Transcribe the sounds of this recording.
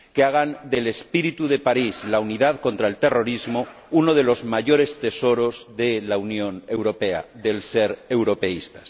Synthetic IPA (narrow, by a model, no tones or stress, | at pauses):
keaɣ̞and̪e̞le̞spiɾit̪uðe̞paɾizlauniðaðko̞nt̪ɾaelt̪e̞ro̞ɾizmo | unoð̞e̞lo̞zmaʝo̞ɾe̞st̪e̞so̞ɾo̞zðelaunjõ̞ne̞wɾo̞pe̞a̰ðe̞lseɾe̞wɾo̞pe̞ist̪ḁs